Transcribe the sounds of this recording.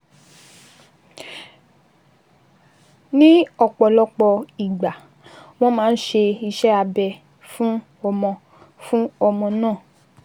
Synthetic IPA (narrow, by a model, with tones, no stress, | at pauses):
nĩ˦ɔ˨k͡pɔ˨lɔ˦k͡pɔ˧i˨ɡ͡ba˨ | w̃ɔ̃˦mãː˦n̩˦ʃe˧i˧ʃɛ˦a˧bɛ˧ | fũ˦ | ɔ˧mɔ̃˧ | fũ˦ɔ˧mɔ̃˧nãː˦˨